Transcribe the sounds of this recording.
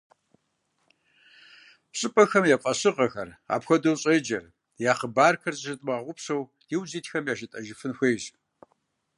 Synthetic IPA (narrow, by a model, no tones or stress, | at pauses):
pɕʼɨpʼɐxɐmjapʼɐɕɨqʼɐxɐra̰ːpxʷɐdowɕʼeːd͡ʒɐr | jaːχəbaːrkʰɐrzʼʃɨtʼmɐʁʁʷʊpʰsow | d̥iwziːtxɐmjaːʃɐtʼɐʒɪfɨnxʷeːjz